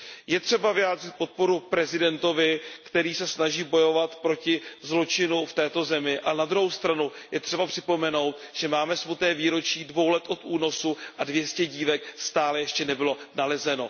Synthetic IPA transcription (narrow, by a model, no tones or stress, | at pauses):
jɛt̪r̝̥ɛbavɪjaːd̪r̝ɪt̪̚po̞t̪̚po̞ɾupɾɛzɪdɛnt̪o̞vɪkt̪ɛɾiːsɛsnaʒiːbo̞jo̞vat̪pɾo̞cɪzlo̞t͡ʃɪnuft̪ɛːt̪o̞zɛmɪʔaɛnad̪ɾuɦowst̪ɾanujɛt̪r̝̥ɛbapr̥ɪpo̞mɛno̞wt̪ʒ̥ɛmaːmɛsmut̪nɛːviːɾo̞t͡ʃiːdvo̞wlɛt̪ʔo̞t̪ʔuːno̞suʔadvjɛscɛɟiːvɛkst̪aːlɛjɛʃcɛnɛbɪlo̞nalɛzɛno̞